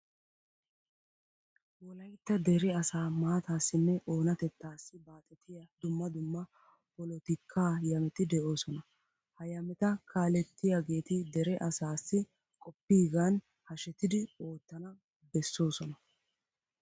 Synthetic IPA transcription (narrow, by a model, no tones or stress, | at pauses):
wɔlɐjt̪ːɐd̪ɛɾɪɐsaːmaːt̪aːsːɪnːɛʔo̞ːnɐt̪ɛt̪ːaːsːɪbaːt̪ʼɛt̪ːɪjɐd̪ʊmːɐd̪ʊmːɐ | pɔlɔt̪ɪkʰːaːjɐmɛt̪ɪd̪ɛʔo̞ːsɔnɐ | hɐjɐmɛt̪ɐkʰaːlɛt̪ːɪjaɡe̞ːt̪ɪd̪ɛɾɛʔɐsaːsːɪ | kʼɔpːiːɡan | hɐʃɛt̪ɪd̪ɪo̞ːt̪ːɐnɐ | bɛsːo̞ːsɔnɐ